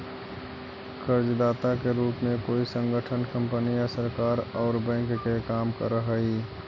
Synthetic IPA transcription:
kʰəɾd͡ʒd̪aːt̪akeɾuːpmẽkoːisə̃ŋɡəʈʰənkə̃mpənijasəɾkaːɾɔːɾbɛ̃ːŋkkekaːmkə̰ɾəɦəi

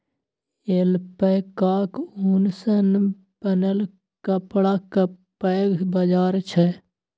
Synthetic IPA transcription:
eːlpəkaːkuːnsən | pənəl | kəpɽakəpəːɡbəd͡ʒaːɾt͡ʃʰɛ

